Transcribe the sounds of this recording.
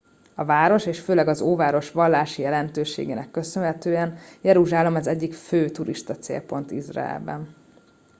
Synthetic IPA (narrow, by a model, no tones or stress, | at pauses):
ɒvaːɾo̞ʃeːʃføːlɛɡɒzoːvaːɾo̞ʃʋɒlːaːʃijɛlɛnt̪øːʃḛːɡeːnɛkːø̞sønɦɛt̪øːjɛnjɛɾuʒaːlomɒzɛɟːikføːt̪uɾiʃt̪ɒt̪sḛːlpo̞nt̪izra̰ɛ̰lbɛ̰n